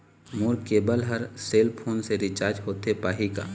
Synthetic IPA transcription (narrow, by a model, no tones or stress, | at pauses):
moɾkeːbəlɦəɾseːlpʰoːnseɾɪt͡ʃaːɾd͡ʒɦoːt̪epaːɦika̰ː